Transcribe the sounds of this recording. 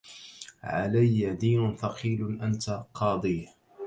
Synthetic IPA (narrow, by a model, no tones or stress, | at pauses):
ʕa̰lajːad̪iːnʊfɑqʰiːlʔant̪aqʰɑːd̪ˤiː